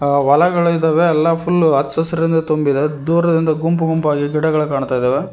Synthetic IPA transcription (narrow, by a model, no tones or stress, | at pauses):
ʋɐlɐɡɐɭɐid̪ɐːʋeɛlːɐpʰulːɐt͡ʃːɐsɐɾɐɾind̪ɐt̪ombid̪ed̪uːɾɐd̪ind̪ɐɡumpuɡumpaːɡiɡiɽɐɡɐɭukaːɳut̪aːjd̪ɐːʋe